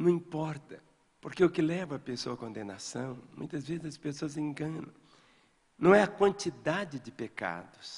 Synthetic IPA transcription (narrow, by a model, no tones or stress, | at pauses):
nɐ̃w̃ĩpɔɾt̪ɐ | poɾkeʊkɪlɛvɐːpesoɐkõnd̪ẽnasɐ̃w̃mũj̃t̪ɐzvezɪzɐspesoɐzẽŋɡɐ̃nɐ̰̃w̃ | nɐ̃w̃ɛɐkwɐ̃nt͡ʃ̪id̪ad͡ʒɪd͡ʒɪpeka̰d̪ʊs